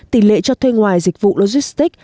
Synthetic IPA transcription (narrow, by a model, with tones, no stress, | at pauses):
t̪i˧˩lḛ˧˨t͡ɕɔ˧t̪ʰwe˧ŋwaː˨˩jzi˨˩k̟̚vṵ˧˨lo˧zi˦˥st̪i˦˥k̚